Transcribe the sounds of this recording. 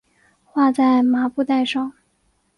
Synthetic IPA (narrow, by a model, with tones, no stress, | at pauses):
xwa˥˧t͡sa˥˩ɪma˧˥pu˥˧t̪a˥˧ɪʂɑ˥˩ŋ